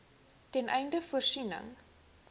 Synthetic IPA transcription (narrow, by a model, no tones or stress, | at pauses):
tɛnʔɛjndəfursinə̰ŋ